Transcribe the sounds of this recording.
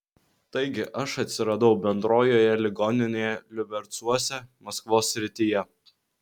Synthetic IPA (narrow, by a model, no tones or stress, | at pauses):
t̪ɐɪɡʲɪʔɐʃɐt̪ʲsʲɪɾɐd̪ɐʊbʲɛnd̪ɾoːjoːjɛlʲɪɡɔːnʲɪnʲeːjɛlʲɪbʲɛɾt̪suɔsʲɛmɐskʋoːsʲːɾʲɪt̪ʲɪjɛ